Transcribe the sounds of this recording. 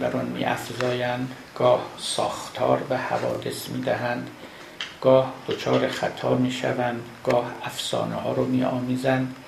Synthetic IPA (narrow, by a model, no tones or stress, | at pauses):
bæɾɒnmḭːʔæ̰fzɒːjænd̪ | ɡ̥ɒːhsɒ̰ːxt̪ʰɒːɾbehævɒːd̪esmiːd̪æɦænd̪ | ɡ̥ɒːhd̪̥ot͡ʃʰɒːɾexæt̪ʰɒːmiːʃæ̰vænd̪ɡ̥ɒːhæfsɒ̰ːnehɒːɾɒːmiːʔɒːmiːzænd̪̥